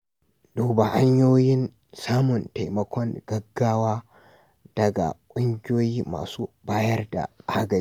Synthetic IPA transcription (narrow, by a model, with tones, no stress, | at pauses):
doː˨ba˨ha˦ɲjoː˦jɪ˦n | saː˦mʊ˨nta˨jmɐ˦kʷɔ˦ŋɡ̥ɐ˦ɡːaː˦waː˦ | d̥ɐ˨ɡa̰˨kʷʼʊ˦ŋɡʲoː˦jiː˦ma̰ː˨suː˦baː˦jɐ˦rda̰˨ʔaː˦ɡɐ˨˦